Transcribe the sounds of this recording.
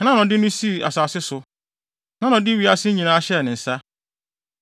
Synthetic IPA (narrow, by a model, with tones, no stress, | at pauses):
nã˦nʊ̃˨dɪ˦nʊ̃˦si˦˨a̰˨saː˨sɪ˦sʊ˨ | nã˦nʊ̃˨dɪ˦wi˨˦a˦sɪ˦ɲĩ˨nãː˦ɕɛ˦˨nɪ̃˨n̩˨sa˦